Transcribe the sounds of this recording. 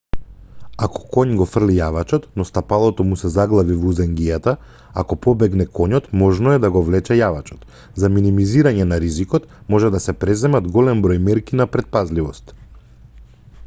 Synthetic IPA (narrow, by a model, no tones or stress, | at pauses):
akɔ̥kɔɲɡɔfr̩lijavat͡ʃɔt̪nɔst̪apalˠɔt̪ɔmusɛzaɡlˠavivuzɛŋɡijat̪a | akɔpɔbɛɡnɛkʰɔɲɔt̪mɔʒnɔɛd̪aɡɔvlɛt͡ʃɛjavat͡ʃɔ̥t̪ | zaminimiziɾaɲɛnaɾizikɔt̪mɔʒɛd̪asɛpɾɛzɛmad̪ɡɔlɛmbɾɔjmɛɾkinapɾɛt̪̚pazlivɔst̪